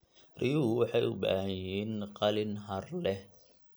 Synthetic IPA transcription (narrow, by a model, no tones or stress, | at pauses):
rɪjuːwɑħɑjʊba̰ːhjiːnqɑlɪnɦɐrlɛh